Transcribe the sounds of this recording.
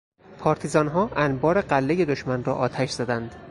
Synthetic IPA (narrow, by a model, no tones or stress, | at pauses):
pʰɒːɾt̪ʰizɒːnɦɒːʔænbɒːɾe̞ɢælːeje̞d̪oʃmænrɒ̰ːʔɒːt̪ʰæʃz̥æd̪ænd̪